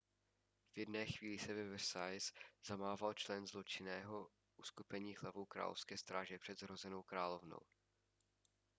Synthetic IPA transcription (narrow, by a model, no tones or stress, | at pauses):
v̥jɛdnɛːxviːlɪsɛvɛvɛɾsajsz̥amaːvalt͡ʃlɛnzlo̞t͡ʃɪnɛːɦo̞ | ʔuskupɛɲiːɦlavowkɾa̰ːlofskɛːst̪ɾaːʒɛpr̝̥ɛd̪zɾo̞zɛno̞wkɾaːlo̞vno̰w